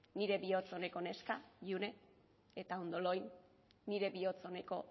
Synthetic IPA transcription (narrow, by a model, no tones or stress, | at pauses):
niɾe̞βio̞t͡so̞ne̞ko̞ne̞skaʎune̞ | et̪aond̪o̞lo̞jnː | iɾe̞βio̞t͡so̞ne̞ko̞